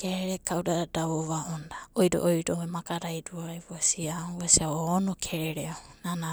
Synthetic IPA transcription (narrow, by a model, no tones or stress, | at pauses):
keɾeɾekawɾaadaβoβaʔondaojɾo̰ʔojɾoemakaɾajɾuajβuasiaasiaoːnokʰeɾeɾeanana